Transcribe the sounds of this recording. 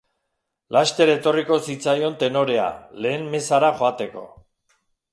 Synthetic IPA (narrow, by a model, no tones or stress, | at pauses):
last̪e̞ɾaet̪o̞riko̞sit͡sajo̞nt̪e̞no̞ɾe̞a̰le̞ːmme̞saɾaxo̞at̪e̞ko̞̰